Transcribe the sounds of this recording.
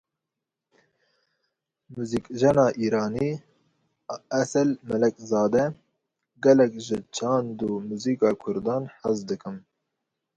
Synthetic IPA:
muːziːkʒɛnɑːʔiːɾɑːniː | ɛsɛlmɛlɛkzɑːd̪ɛ | ɡɛlɛkʒɪt͡ʃʰɑːnd̪umuziːkɑːkʰʊɾd̪ɑːnħəzd̪ɨkɨm

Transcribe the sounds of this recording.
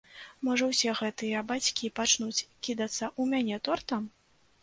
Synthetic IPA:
mɔʐɐwsʲɛɣɛt̪ɨjɐbat͡sʲkʲipat͡ʂnut͡sʲkʲid̪ɐt̪sːɐʔumʲanʲɛt̪ɔrt̪ɐm

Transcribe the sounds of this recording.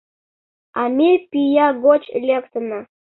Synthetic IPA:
amʲepʲijaɡot͡ɕlʲekt̪əna

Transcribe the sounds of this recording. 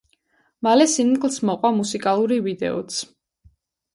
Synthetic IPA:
malɛsinkʼlˠsmɔqʼwamusikʼalˠuɾivid̪ɛ̰ɔ̰t̪sʰ

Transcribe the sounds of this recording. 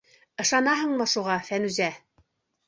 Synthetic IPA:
ɤ̆ʃɑnɑɦɤ̆ɴmɤ̆ʃuʁɑfænʉzæ

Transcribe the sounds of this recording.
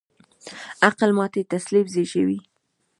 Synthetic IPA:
aqlmɑt̪et̪aslibzeʃəwi

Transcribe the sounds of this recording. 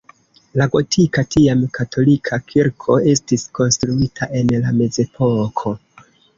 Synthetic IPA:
laɡo̞tʰikatʰiamkatʰo̞likʰakʰiɾkʰo̞e̞stisko̞nstɾuitʰaʔe̞nlame̞ze̞pʰo̞kʰo̞

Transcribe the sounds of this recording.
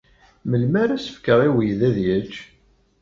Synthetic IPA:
məlmæɾæsə̥fkəʁiwəjðæðjət͡ʃː

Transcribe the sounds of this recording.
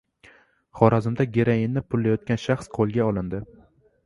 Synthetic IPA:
χɒɾazɪmd̪aɡʲeɾajɪnːɪpʰʊlːajɒt̪̚kʲanʃaχsqʰolˠɡʲaɒlˠɪnd̪ɪ

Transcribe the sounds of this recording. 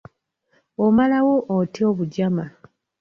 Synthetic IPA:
omalawo̞ʔːtio̞ːβuɟama

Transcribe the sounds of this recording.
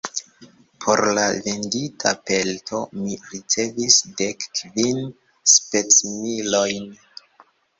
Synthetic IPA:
pʰo̞ɾlave̞nditʰa̰pe̞ltʰo̞miɾit͡se̞visdekːvin | spe̞t͡smilo̞jn

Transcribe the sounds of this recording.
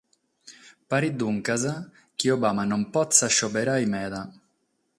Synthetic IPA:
paɾid̪ːuŋkaza | k̟iɔbamanɔmpɔt̪sːaʃːɔbɛɾajmɛːða

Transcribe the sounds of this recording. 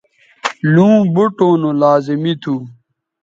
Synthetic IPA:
lũːbuʈoːnolaːzimit̪ʰu

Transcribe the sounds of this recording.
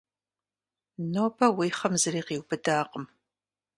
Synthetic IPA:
noːbʰɐwiːχɐmzɨɾiːqiːwbɨdaːqəm

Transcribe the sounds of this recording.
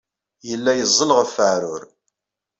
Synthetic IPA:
jəlːæjəzˤːəlʁəfəʕɾʊɾ

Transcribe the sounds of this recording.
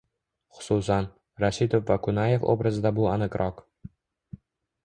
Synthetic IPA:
χʊ̥susan | ɾaʃit̪ofvakʰʊnaje̞fo̰bɾazɪd̪abʊanɨqɾʔɒq

